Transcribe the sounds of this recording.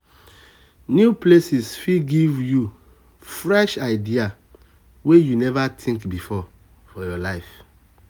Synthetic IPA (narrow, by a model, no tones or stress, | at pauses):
njuplesisfiɡivju | fɹɛʃaɪdia | wejunɛvatʰĩŋkbifɔ | fɔjɔlaɪf